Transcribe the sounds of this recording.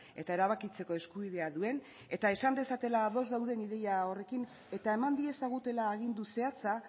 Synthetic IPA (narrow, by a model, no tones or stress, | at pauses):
e̞t̪ae̞ɾaβakit͡se̞ko̞e̞skuβiðe̞aðue̞n | e̞t̪ae̞sand̪e̞sat̪e̞laːðo̞zðawðe̞niðe̞jao̞re̞kin | e̞t̪ae̞mand̪ie̞saɣ̞ut̪e̞laːɣ̞ind̪use̞at͡sa